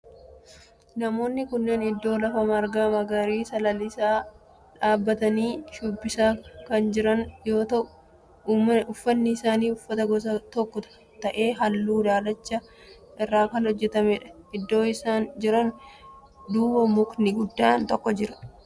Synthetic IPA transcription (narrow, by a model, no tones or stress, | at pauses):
nɐmo̞ːnːɪkʊnːɛnɪd̪ːo̞ːlɐfɐmɐɾɡaːmɐɡɐɾiːsɐlɐlɪsaː | ᶑaːbːɐt̪ɐniːʃʊbːɪsaːkɐnd͡ʒɪɾɐnjoːt̪ɐ | ʊfːɐnːɪɪsaːniːʊfːɐt̪ɐɡɔs̬ɐt̪ɔkːɔ | t̪ɐʔe̞ːɦɐlːuːd̪aːlɐt͡ʃːɐ | ʔɪrːaːkɐnhɔd͡ʒːɛt̪ɐmɛᶑɐɪd̪ːo̞ːɪsaːnd͡ʒɪɾɐn | d̪uːbɐmʊknɪɡʊd̪ːaːnt̪ɔkːɔd͡ʒɪɾɐ̥